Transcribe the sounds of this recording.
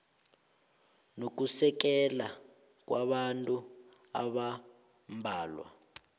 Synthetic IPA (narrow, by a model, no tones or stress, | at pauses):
nok̬usɛk̬ɛla | k̬ʼwaɓantʼu | a̰ɓa | mbʱaːlwa̰